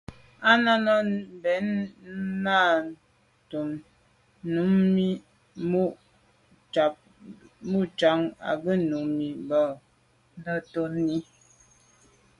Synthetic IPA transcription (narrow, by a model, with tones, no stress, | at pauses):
a˦na˦nɔ˦n˨bɛ˨˦nna˦˨ | tu˨m | nu˨˦mmi˦ | mu˦ʔ | t͡ʃa˨p̚ | mu˦ʔt͡ʃa˨˦ŋa̰˨ɡə˦nu˨˦mːi˨bɔ˨ | n˦dɔ˦˨to˦nːi˦